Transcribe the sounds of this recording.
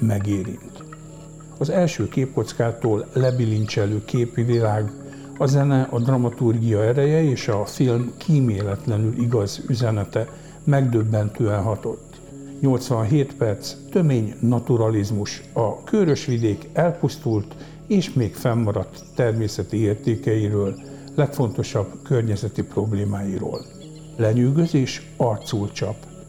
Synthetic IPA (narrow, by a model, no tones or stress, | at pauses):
mɛɡeːɾḭnt̪ | ɒzɛlʃøːkeːp̚ko̞t̪skaːt̪oːlːɛbiliɲt͡ʃɛløːkʰeːpivilaːɡ | ɒzɛnɛʔɒd̪rɒmɒt̪urɡijɒɛɾɛjɛeːʃɒfilmkʰiːmeːlɛt̪lɛnylʔiɡɒzyzɛnɛt̪ɛ | mɛɡd̪ø̞bːɛnt̪øːɛnɦɒt̪o̞t̪ː | ɲo̞lt̪sʋɒnɦeːt̪pɛrt̪st̪ø̞meːɲnɒt̪uɾɒlizmuʃ | ɒkʰøɾø̞ʃʋid̪eːkɛlpust̪ult̪ | eːʃmeːkfɛmːɒɾɒt̪ːɛrmeːsɛt̪ieːrt̪eːkɛjiɾøːlː | ɛkfo̞nt̪o̞ʃɒbkø̞rɲɛzɛt̪ipro̞bleːmaːjiɾo̰ːl | lɛɲyːɡøzeːʃ | ɒrt̪sult͡ʃɒp